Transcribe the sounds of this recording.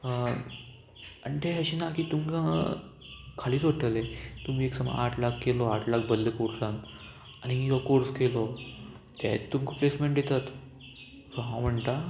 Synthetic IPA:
ə | ənʈ̪eɦəɕiːnakiːt̪umkã | kʰaliːt͡soʈəlet̪um̤iːeksəma̰a̰ʈʰlakkːelɔaʈʰlak̚bəlːekoɾsan | añijɔkoɾskelɔ | t̪ɛt̪ːumkʰoplesmẽɳʈdet̪at̪ | sɔɦãwm̤əɳt̪a

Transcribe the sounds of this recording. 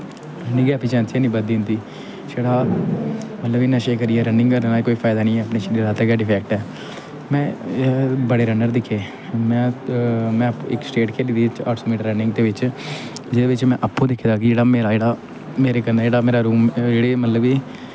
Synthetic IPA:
ɾənɪ̃ŋɡɛːəpiːt͡ʃɛ̃ːnt͡ʃiaːnĩːbəd̪ĩːnd̪iː | d͡ʒeːɽaː | mət̪ləbinəʃeːkəɾiːɛːɾənɪ̃ŋɡəɾənaːkoːiːpʰaːɪd̪aːnĩːɛːəpneːʃəiːɾaːt̪eːɡaːɖɪpʰɛːk̚ʈɛː | mɛ̃ː | bəɽeːɾənəɾd̪ɪkʰːeː | mɛ̃ːmɛ̃ːɪksʈeːʈkʰeːliːd̪iːt͡ʃəʈʰsoːmiːʈəɾːənɪ̃ŋɡt̪eːʋɪt͡ʃ | d͡ʒɪd̪eːʋɪt͡ʃmɛ̃ːʔəpːõːd̪ɪkʰːeːd̪aːkɪd͡ʒeːɽaːmeːɾaːd͡ʒeːɽaː | meːɾeːkənːd͡ʒeːɽaːmeːɾaːɾuːmd͡ʒeːɽeːmət̪ləbiː

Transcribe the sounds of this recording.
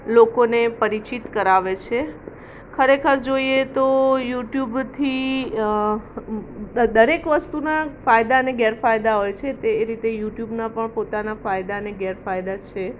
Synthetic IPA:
lokonepəɾit͡ʃit̪kəɾaʋet͡ʃʰe | kʰəɾekʰəɾd͡ʒoiet̪ojuʈjubt̪ʰi | d̪əɾekʋəst̪unafajd̪aəneɡɛɾfajd̪aɦojt͡ʃʰet̪eːɾit̪ejuʈjubnapəɳpot̪anafajd̪aəneɡɛɾfajd̪at͡ʃʰe

